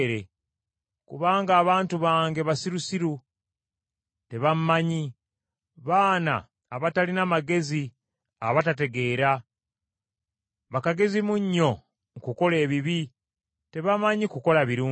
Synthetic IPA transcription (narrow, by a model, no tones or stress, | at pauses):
ɾe | kṵβaːŋɡaːβaːntuβaːŋɡe̞βasiɾusiɾu | te̞βammaɲi | βaːna̰ː | βatalinamaɡe̞zi | a̰βatate̞ɡe̞ːɾa | βakaɡe̞zimuɲːo̞ | ŋkuko̞le̞ːβiβi | te̞βamaɲikuko̞laβiɾuː